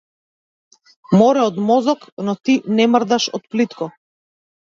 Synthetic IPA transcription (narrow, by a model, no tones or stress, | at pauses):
mɔɾɛɔd̪mɔzɔknɔt̪inɛmr̩d̪aʃɔ̰t̪̚plit̪kɔ